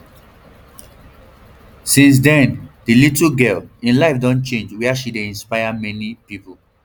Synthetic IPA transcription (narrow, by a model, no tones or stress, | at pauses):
sĩns̬dɛ̃nd̥ilitlɡɛlĩnlaɪfdɔ̃nt͡ʃẽnd͡ʒwɛaʃideĩnspaɪamɛnipipu